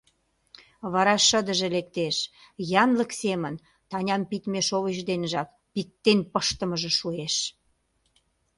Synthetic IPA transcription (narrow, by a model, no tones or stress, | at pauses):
βɑɾɑʃəd̪əʒĕlek̚t̪eʃ | jɑnləksemən | t̪ɑnʲɑmpit̪meʃoβəʑd̪enʒɑk̚ | pik̚t̪ːenpəʃt̪əməʒĕʃueʃ